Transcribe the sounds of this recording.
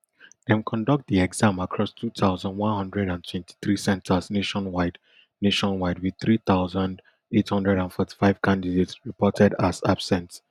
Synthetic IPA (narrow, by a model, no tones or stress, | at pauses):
dɛ̃nkʰɔ̃ndɔk̚t̚ðiɛɡz̥ãmakʰɹɔstʰut̪ʰaʊzãndwãnhʌ̃ndɹɛɾãntʰwɛ̃ntʰi̥θɹisɛ̃ntʰəsneʃɔ̃nwaɪd | neʃɔ̃nwaɪd̚wiθɹiθaʊzãnd | ethʌ̃ndɹɛɾãnfɔti̥faɪv̥kʰãndidetsɹipɔtʰɛdaza̰b̥sɛ̃nt